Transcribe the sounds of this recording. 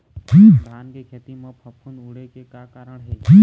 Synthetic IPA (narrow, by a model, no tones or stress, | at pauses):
d͡ʒiːaːnkeːkʰeːt̪imãːpʰəpʰə̃nd̪uɽeːkeːkaːkaːɾəɽɦeːd͡ʒiː